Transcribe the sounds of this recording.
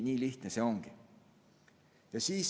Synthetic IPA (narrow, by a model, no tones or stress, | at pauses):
nʲiːliht̪neseo̞ŋɡ̥i | jɑsiːs